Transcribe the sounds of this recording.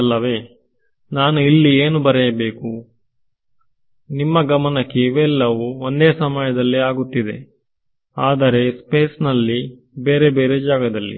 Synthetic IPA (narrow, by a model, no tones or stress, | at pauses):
lːɐʋe̞ː | naːnuilːieːnubɐɾɛjɐbe̞ːku | nimːɐɡɐmɐnɐkːeʋɛlːɐʋuond̪eːsɐmɐjɐd̪ɐlːiaːɡut̪ːid̪e̞̰ | aːd̪ɐɾe̞speːsnɐlːi | be̞ːɾe̞beːɾe̞d͡ʒaːɡɐd̪ɐlːḭ